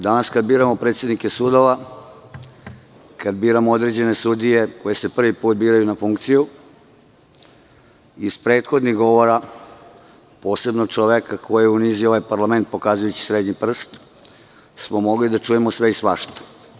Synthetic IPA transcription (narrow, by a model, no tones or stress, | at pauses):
d̪anaskad̪̚biːɾamopɾe̞t̪sje̞d̪nikesuːd̪oʋa | kad̪̚biːɾamood̪ɾe̞d͡ʑe̞ne̞sud̪ije̞ko̞je̞se̞pr̩ʋipuːt̪̚biːɾajunafuŋkt̪siju | ispɾeːt̪xo̞d̪niɣɡo̞ʋo̞ɾa | po̞ːse̞bnot͡ʃoʋekakʰo̞jejeuniːzioʋajpaɾlame̞nt̪̚po̞kaːzujut͡ɕi̥sɾed̪ɲipr̩st̪ | smo̞mo̞ɡlid̪at͡ʂuje̞mosʋe̞isʋaʃt̪o̥